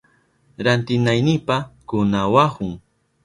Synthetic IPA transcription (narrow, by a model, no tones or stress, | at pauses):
ɾant̪ɪnajnɪpakʊnawahʊŋ